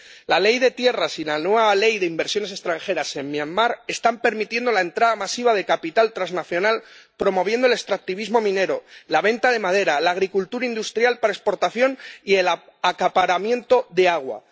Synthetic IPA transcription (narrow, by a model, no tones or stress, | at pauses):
lale̞jðe̞t̪je̞rasilanweβale̞jðeimbe̞ɾsjo̞ne̞se̞st̪ɾaŋxe̞ɾase̞nmjanmaɾe̞st̪ampe̞ɾmit̪je̞nd̪o̞lae̞nt̪ɾað̞amasiβ̞að̞e̞kapit̪alt̪ɾaznaθjo̞nalpɾo̞mo̞β̞je̞nd̪ole̞st̪ɾak̚t̪iβizmo̞mĩne̞ɾo̞laβe̞nt̪aðe̞mað̞e̞ɾalaːɣ̞ɾikult̪uɾaind̪ust̪ɾjalpaɾae̞spo̞ɾt̪aθjo̞nie̞l | akapaɾamje̞nt̪o̞ðe̞aɣ̞wa̰